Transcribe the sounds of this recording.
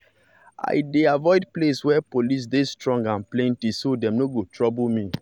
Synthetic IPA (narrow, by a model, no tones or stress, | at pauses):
a̰ɪdeavɔɪdpleswɛpolis̬destɹɔ̃ŋɡãnplẽntisodɛ̃mnoɡotʰɹɔblmi